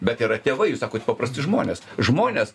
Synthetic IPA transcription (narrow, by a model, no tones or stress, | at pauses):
bʲɛt̪iːɾɐt̪ʲeːʋɐɪjuːsɑːkoːt̪ʲpɐpɾɐsʲt̪ʲɪʒmoːnʲeːsʒmoːnʲes